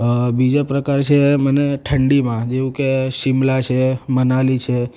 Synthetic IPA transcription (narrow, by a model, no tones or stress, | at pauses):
bid͡ʒapɾəkaɾt͡ʃʰeməneʈʰəɳɖimãd͡ʒeʋũkeʃimlat͡ʃʰemənalit͡ʃʰe